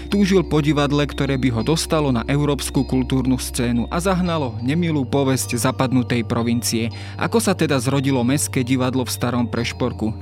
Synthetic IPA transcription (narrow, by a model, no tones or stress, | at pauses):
t̪uːʒilpɔɟiʋad̪lɛkt̪ɔɾɛːbiɦɔd̪ɔst̪alɔnaʔɛʊɾɔːpskukult̪uːɾnust͡sɛːnuʔazaɦnalɔɲɛmiluːpɔʋɛsczaːpad̪nut̪ɛjpɾʔɔʋint͡siɛ | ʔa̰kɔsat̪ɛd̪azɾɔɟilɔmɛskɛːɟiʋad̪lɔfst̪aɾɔmpɾɛʃpɔɾku